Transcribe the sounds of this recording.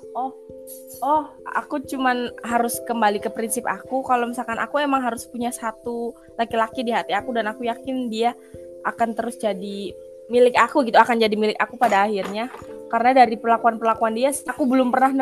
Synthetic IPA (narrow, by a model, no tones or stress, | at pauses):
ʔɔh | ɔha̰kut͡ʃumanɦaɾʊskəmbalikəpɾinsɪpakukalomisalkanʔa̰kuemaŋɦaɾʊspuɲasat̪u | lakilakidiɦat̪iakudanakujakɪndia | ʔakant̪əɾʊsd͡ʒadi | milɪkakuɡit̪uakand͡ʒadimilɪkakupadaːhirɲakaɾənadaɾipərlakuanpərlakuandiasakubəlʊmpərnahn